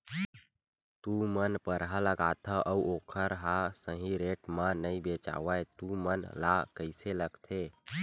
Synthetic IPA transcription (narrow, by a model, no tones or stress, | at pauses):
t̪umənpəɾɦaləɡat̪ʰəʔəuokʰəɾɦasə̃ɦĩɾeʈmanəibet͡ʃa̰ʋəjt̪umənlakəɪseləɡt̪ʰe